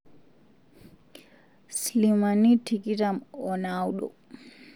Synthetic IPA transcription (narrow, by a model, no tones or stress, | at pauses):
slimanitʰikitamɔnawɗɔ̰